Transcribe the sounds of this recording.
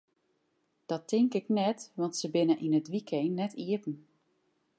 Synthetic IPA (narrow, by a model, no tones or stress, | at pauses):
d̥ɔtʰɪŋkɪknɛtʋɑntsəbɪnəʔinətʋikʰejnːɛtʰiəpn̩